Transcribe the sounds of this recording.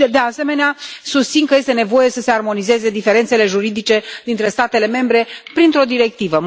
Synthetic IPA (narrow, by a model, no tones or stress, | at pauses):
d̪e̞ase̞me̞neasust̪sinkəje̞st̪e̞ne̞vo̞je̞səse̞armo̞nize̞ze̞d̪ife̞ɾent̪se̞le̞ʒuɾid̪it͡ʃe̞d̪int̪ɾe̞st̪at̪e̞le̞me̞mbɾe̞pɾint̪ɾo̞d̪iɾe̞k̚t̪ivə